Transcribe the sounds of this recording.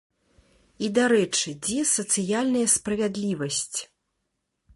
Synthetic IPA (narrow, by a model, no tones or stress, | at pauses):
id̪aɾɛt͡ʂɨd͡zʲɛsɐt̪sɨjalʲnɐjɐspɾɐvʲad̪lʲivɐsʲt͡sʲ